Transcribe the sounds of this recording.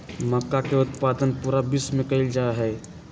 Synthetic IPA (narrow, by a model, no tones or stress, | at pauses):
məkːakeʊt̪pad̪ənpuːɾabismẽkəɪld͡ʒaeɦɛ